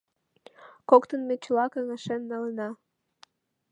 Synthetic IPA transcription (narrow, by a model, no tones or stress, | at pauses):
kokt̪ə̆nmet͡ɕəlɑkɑŋeʃenːɑlənɑ